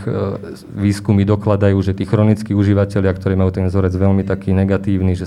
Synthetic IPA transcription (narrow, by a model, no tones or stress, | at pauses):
ʋiːskumid̪ɔklad̪ajuːʒɛt̪iːxɾɔnit͡skiuʒiʋacɛlɪakt̪ɔɾɛːmajuːt̪ɛnzɔɾɛd͡zʋɛlmit̪akiːnɛɡat̪iːʊniʒɛ